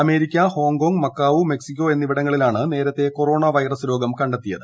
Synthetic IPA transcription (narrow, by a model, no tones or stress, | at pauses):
ɐme̞ːɾikʲːɐho̞ːŋɡo̞ːŋɡmɐkːaːʋume̞ksikʲːo̞e̞nːiʋiɽɐŋːɐɭilaːɳɨne̞ːɾɐt̪ːe̞ko̞ro̞ːɳaʋɐjrɐsloːɡɐmkɐɳɖɐt̪ːijɐðɨ